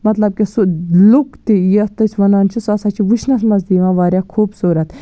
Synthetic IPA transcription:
mɐt̪lɐb̚kisulukt̪ijiɐt̪ɐt͡ʃʰʋɐnaːnt͡ʃʰisɐsaːt͡ʃʰiʋuʃʰnɐsmɐzd̪iːʋãːʋaːɾʲjaːkʰuːbsuːɾɐt̪

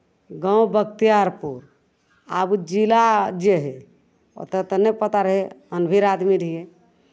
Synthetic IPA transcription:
ɡə̃wbəkt̪ijaɾpuɾ | abud͡ʒilad͡ʒeɦe | o̰t̪ət̪ənepət̪aɾəɦeənbʱiɾad̪miɾije

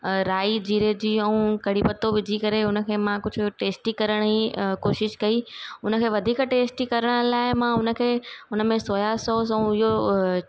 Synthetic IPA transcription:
ɾaːid͡ʑiːɾed͡ʑiːɛ̃ũkɐɽipɐt̪oʋɪd͡ʑʱikɐɾeʊnə̆kʰeːmãkʊd͡ʑʱʈeːsʈikɐɾəɽ̃ikoːʃɪʃkɐiʊnə̆kʰeːʋɐd̪ʱiːkʈeːsʈikɐɾəɽ̃ə̆laːɪmãʊnəkʰeːʊnəmẽsoːjasoːsɐ̃ũɪɦo

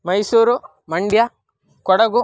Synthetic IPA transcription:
mɐjsuːɾu | mɐɳɖja | kɔɽɐɡu

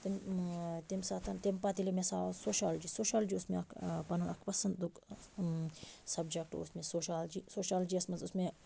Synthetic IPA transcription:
t̪imt̪emsaːt̪ʰant̪empat̪ilemesaːsoːʃaːld͡ʒisoːʃaːld͡ʒiʊsmeɐkʰpɐnunɐ̰kʰpɐsɐnd̪d̪uk | sɐbd͡ʒɐk̚ʈo̰usmẽsoːʃaːld͡ʒiːsoːʃaːld͡ʒiɐsmɐnzʊsme

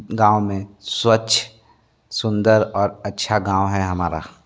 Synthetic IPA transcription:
ɡãːwmẽswətːt͡ʃʰ | sʊ̃nd̪əɾɔːɾɐtːʃʰaɡãːwɦɛɦɐmaːɾa̰

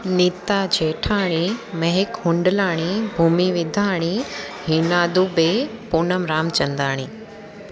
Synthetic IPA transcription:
nit̪ad͡ʑʱeːʈʰaːɽ̃imɐɦɪkhʊɳɖəlaːɽ̃ibʱuːmiʋɪd̪ʱaːɽ̃iɦinaːd̪uːbeːpʊnəmɾaːmt͡ɕɐ̃nd̪aːɽ̃iː

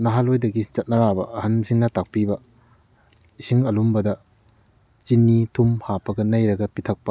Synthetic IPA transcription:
nɐɦalojdɐɡit͡ʃɐt̚nɐɾabɐɐhɐnsiŋnɐtak̚pibɐ | isiŋɐlumbɐdɐ | t͡ʃinːitʰumhapɐɡɐnɐjɾɐɡɐpitʰɐk̚pɐ

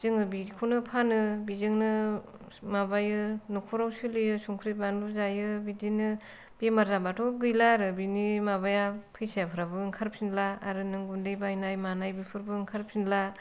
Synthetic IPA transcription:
z̥ɯŋɯbikʰunɯpʰanɯbizɯŋnɯ | mabajɯnukʰuɾawsɯlɯjɯsuŋkʰɾibanbɯzajɯbidinɯ | b̥emaɾzabatʰɔɡɯjlaɾɯbinimaβajapʰɯjsajapʰɯɾabɯːŋkʰaɾpʰsinlaːɾɯnɯŋɡundejbajnajmanajbipʰɯɾbɯŋkʰaɾp̚sinla

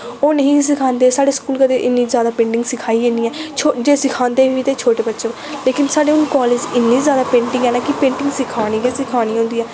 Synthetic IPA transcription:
oːnəɦĩːs̬ɪkʰãːnd̪eːsaːɖeːskuːlkəd̪eːʔɪnːiːzjaːd̪aːpẽːɳʈɪ̃ŋɡsɪkʰaːiːẽːniːɛːt͡ʃʰod͡ʒeːsɪkʰãːnd̪eːʋiːiːt̪eːt͡ʃʰoːʈeːbətːʃeːb | leːkɪnsaːɖeːʊnkɔːleːd͡ʒɪnːiːzjaːd̪aːpẽːɳʈɪ̃ŋɡɛːnaːkɪpẽːɳʈɪ̃ŋɡsɪkʰaːɽ̃iːɡisɪkʰaːɽ̃iːɦõːnd̪iːɛː

